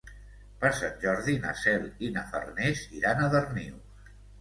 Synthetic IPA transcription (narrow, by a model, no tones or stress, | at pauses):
pəɾsanʲʒɔɾðina̰sɛlinafə̰rneziɾanəðərniw